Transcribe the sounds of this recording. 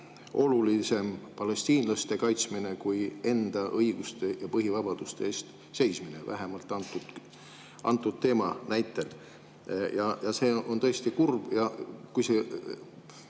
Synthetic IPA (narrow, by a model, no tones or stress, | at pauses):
ʔo̞lulise̞mpɑle̞st̪iːnlɑst̪e̞kɑjt̪smine̞kuje̞nd̪̥ɑʔɤjɡ̥ust̪e̞jɑpɤɦivɑb̥ɑd̪̥ust̪eeːst̪ | se̞jsmine̞̰væ̰ɦemɑlt̪ːˑɑnt̪ːˑut̪ | ɑnt̪ːˑud̪̥̚t̪ːe̞ːmɑnæjt̪ːˑe̞l | jɑjɑse̞ːʔo̞nt̪ɤest̪ikurb̥jɑkujse̞